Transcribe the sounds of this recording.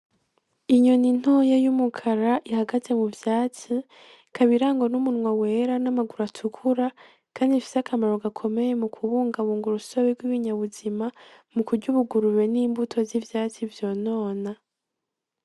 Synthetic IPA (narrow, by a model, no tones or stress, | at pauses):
iɲo̞nin̥hojajumukʰaɾaʔihaɡaze̞muvjaːt͡si | kʰaβiɾaːŋɡonumunŋwawe̞ɾanamaɡuɾatʰukʰuɾa | kaːndifi̥sakʰamaɾo̞ɡakʰo̞me̞je̞mukʰuβuːŋɡaβuːŋɡuɾusoβeɡwiβiɲaβuzimamukuɾɟuβuɡuɾuβe̞niːmbutʰo̞zivjaːt͡sivjo̞ːno̞ːna